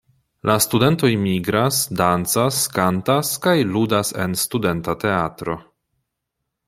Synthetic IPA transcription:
lʔastude̞nto̞jmiɡɾasdant͡saskantaskajludase̞̰nstude̞ntate̞atɾo̞

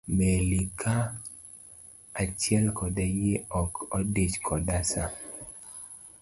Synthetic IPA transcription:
melikʰa | at͡ʃjɛlkɔdɛjɪɔkɔdit͡ʃkʰɔdasa

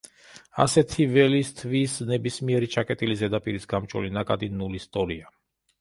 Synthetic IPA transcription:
a̰sɛt̪ʰivɛlist̪ʰvisnɛbismiɛɾit͡ʃʰakʼɛt̪ʼilizɛd̪apʼiɾisɡamt͡ʃʼɔ̰linakʼad̪inulist̪ʼɔɾia

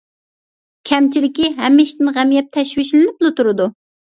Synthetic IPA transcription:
kʲʰɛmt͡ʃʰilɪkʲiɦɛmːɪʃt̪ɪnʁæmijɛt̪ʰːɛʃwɪʃlɪnɪp̚lˠʊt̪uɾɨd̪u

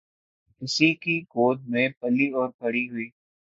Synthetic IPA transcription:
ɪsikiɡoːd̪̚mẽpɐliɔːɾpɐɽiɦʊiː

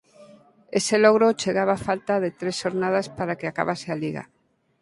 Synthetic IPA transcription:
eselɔɣɾot͡ʃeɣaβaːfalt̪aðet̪ɾesʃoɾnað̞aspaɾakeaka̰βasealiɣa̰

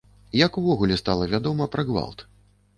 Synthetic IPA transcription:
jɐkuvɔɣulʲɛst̪alˠɐvʲad̪ɔmɐpɾɐɣva̰lˠt̪

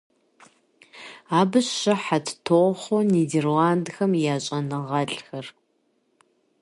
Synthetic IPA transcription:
aːbɨɕːɐħatʰtʰoχʷoniːderlaːndxɐmjaːɕʼɐnɨʁɐɬʼxɐr

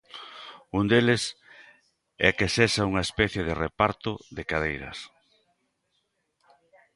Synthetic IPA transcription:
und̪elɪs | ɛ̰kesesauŋɐespɛθjeðɪrepaɾt̪ʊðɪkaðejɾɐ̰s

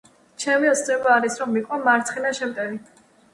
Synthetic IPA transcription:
t͡ʃʰɛmiɔt̪sʰd̪ɛbaːɾisɾɔmːiqʼɔmaɾt̪ʰχinaʃɛmt̪ʼɛvi

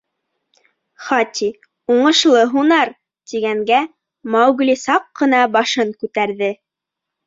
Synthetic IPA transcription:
χɑt̪ʲʰi | uɴɤ̆ʃlˠɤɦunɑɾ | t̪iɡæŋɡæ | mɑwɡ̆lisɑqːɤ̆nɑbɑʃɤŋkʉt̪æɾðɘ

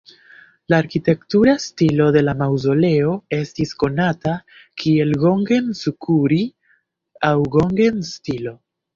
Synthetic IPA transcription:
laːɾkite̞ktuɾastilo̞de̞lamawzo̞le̞o̞e̞stisko̞nata | kʰie̞lɡo̞ŋɡensukuɾi | awɡo̞ŋɡenstilo̞

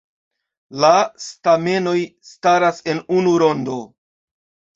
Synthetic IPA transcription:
lastame̞no̞jstaɾase̞nunuɾo̞ndo̞

